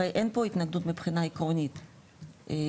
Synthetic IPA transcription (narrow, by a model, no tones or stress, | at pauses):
ejʔenpo̞it̪naɡd̪ut̪mipχinaikʁonit̪